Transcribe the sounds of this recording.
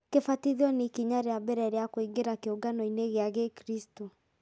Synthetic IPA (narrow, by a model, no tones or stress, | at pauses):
kefatiðiɔnikiɲaɾeabɛɾɛɾeakoiɡeɾakeoɡanɔineɣeaɣekɾisto